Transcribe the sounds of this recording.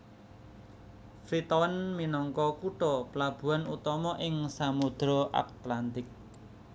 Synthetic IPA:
fɾit̪ɔwənminɔŋkɔkuʈɔplab̥ṳanut̪ɔmɔʔɪŋsamud̪̥ɾɔʔa̰t̪lant̪ɪk̚

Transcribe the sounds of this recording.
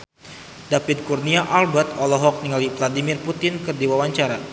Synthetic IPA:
dapɪt̪̚kurniaʔalbɛt̪ɔlɔɦɔk̚niŋalivladimɪrput̪ɪnkɨrdiwawaɲt͡ʃaɾa

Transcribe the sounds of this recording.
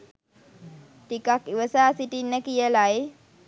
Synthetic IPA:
tikakiʋəsaːsiʈinːəkijəlaj

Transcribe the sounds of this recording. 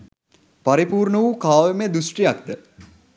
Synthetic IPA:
pɐɾipuːrɳəʋukaːʋemed̪usʈijɐk̚d̪ə

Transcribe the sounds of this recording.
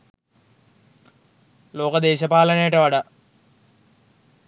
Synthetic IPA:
lo̞ːkɐd̪eːɕɐpaːlɐnejʈɐʋɐɽɐ

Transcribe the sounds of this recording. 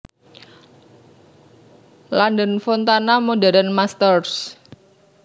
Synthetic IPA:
landənfɔnt̪anamodaɾənmast̪ərs

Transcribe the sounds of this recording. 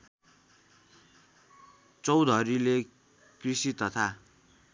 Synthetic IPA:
t͡sʌwd̪ʱʌɾile | krisit̪ʌt̪ʰa

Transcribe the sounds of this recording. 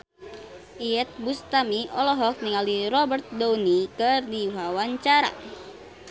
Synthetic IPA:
ʔiɛt̪̚bust̪amiɔlɔɦɔk̚niŋaliɾɔbərt̪̚donikɨrdiuɦawaɲt͡ʃaɾa̰

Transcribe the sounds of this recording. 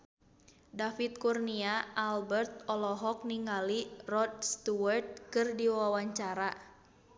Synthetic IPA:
dafit̪̚kurniaʔalbɛrt̪̚ɔlɔɦɔk̚niŋalirɔd̪̚st̪uwərt̪̚kɨrdiwawaɲt͡ʃaɾa

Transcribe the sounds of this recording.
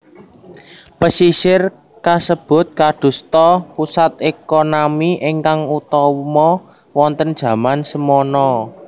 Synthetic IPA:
pəsiʃɪr | kasəb̥ʊ̤t̪̚kad̪̥ṳst̪ɔpusat̪̚ekonamiʔeŋkaŋut̪ɔmɔ | wɔnt̪ənd̥ʒ̥ä̤mansəmɔnɔ

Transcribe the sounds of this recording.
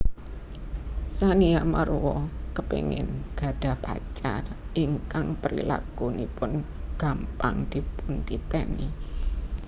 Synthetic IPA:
saniamaɾuwɔkəpeŋɪ̰nɡ̥a̤ɖ̥apa̰t͡ʃarʔiŋkaŋpəɾḭla̰kunipʊnɡ̥a̤mpaŋd̪̥ipunt̪it̪ɛni

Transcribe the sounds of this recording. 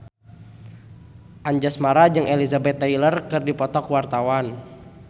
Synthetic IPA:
ʔaɲd͡ʒasmaɾad͡ʒɨŋʔelizabɛt̪ːailərkɨrdipɔt̪ɔkwart̪awan

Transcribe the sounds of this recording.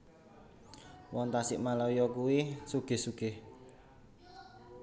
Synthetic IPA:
wɔŋt̪asɪ̰ʔmalɔjɔkuwisuɡ̥e̤hsuɡ̥eh

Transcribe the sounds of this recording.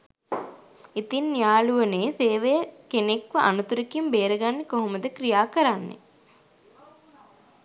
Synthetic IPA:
it̪inːijaːluʋəneːseːʋejəkenekʋəʔa̰nut̪uɾekimbeːɾəɡanːekoɦomɐd̪əkɾijaːkəɾanːḛ

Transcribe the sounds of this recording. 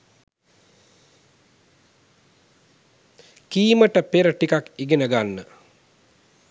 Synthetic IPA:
kiːməʈəpeɾəʈikakiɡenəɡanːə

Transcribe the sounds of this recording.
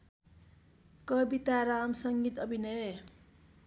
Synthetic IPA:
kʌbit̪aɾamsʌŋɡit̪ʌbʱinʌje

